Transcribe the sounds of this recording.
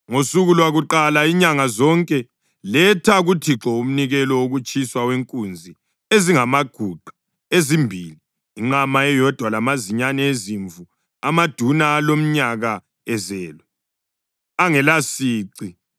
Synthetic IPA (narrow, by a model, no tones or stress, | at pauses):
ŋosuɣulwaɣuǃalaiɲaŋazɔŋkʼɛ | lɛtʰaɣutʰiǁɔum̩niɣɛlɔwoɣut͡ʃʰʼiswaweŋkʼund͡zʱi | eziŋamaɡ̥ʱuǃʱḁ | ezimbʱiːliː | ŋ͡ǃamaɛjɔd̥ʱwalamaziɲanɛeziɱvu | amad̥ʱunaːlom̩ɲaɣa | ɛzɛːlɛ | aŋɛlasiːǀi